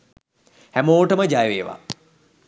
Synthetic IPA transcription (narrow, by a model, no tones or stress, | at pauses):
hæmoːʈəməd͡ʒajʋeːʋa̰